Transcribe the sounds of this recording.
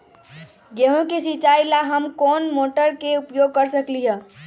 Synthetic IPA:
ɡeɦõkesit͡ʃailaɦəmkɔnmoʈəɾkeupjoɡ̚kəɾsəkliɦə̃

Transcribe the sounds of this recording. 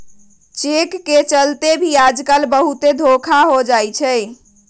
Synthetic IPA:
t͡ʃekːet͡ʃəlt̪ebʱijad͡ʒkəlbəɦut̪ed̪ʱokʰaɦod͡ʒajt͡ʃʰɛj

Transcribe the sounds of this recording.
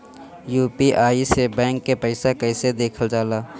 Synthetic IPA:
juːpiʔaːisebɛ̃ːŋkːepɛɪsakɛɪsed̪eːkʰəld͡ʒaːlaː

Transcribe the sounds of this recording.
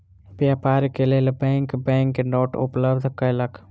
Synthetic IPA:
pjaːpaːɾkeleːlebɛ̃ːŋkbɛ̃ːŋknoːʈʊ̰pləbd̪ʱkəjlək

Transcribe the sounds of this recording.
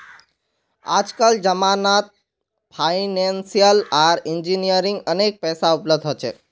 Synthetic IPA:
a̰d͡ʒkald͡ʒəmanat̪̚ | pʰainensijəlaɾɪnd͡ʒinijəɾiŋɡənek̚pɛːsaupləb̚d̪ʱɦot͡ʃʰe

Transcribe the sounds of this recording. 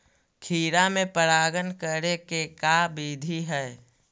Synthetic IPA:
kʰiːɾamẽpəɾaːɡənkəɾekekaːbiːd̪ʱiɦɛː

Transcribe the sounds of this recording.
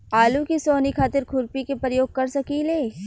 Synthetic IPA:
aːlukisoːnikʰaːt̪ɪɾkʰʊɾpikepɾəjoːɡ̚kɐɾsɐkileː

